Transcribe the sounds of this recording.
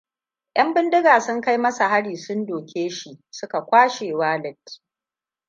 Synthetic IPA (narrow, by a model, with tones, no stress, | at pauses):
j̰ʔɐ˦mbɪ˦ndɪ˦ɡaː˨sʊ˦ŋka˦jmɐ˦sa˨ha˦ɽiː˨sʊ˦ndoː˨kʲeː˦ʃi˨sʊ˦ka˨kʷaː˦ʃeː˨waː˦lɛ˦t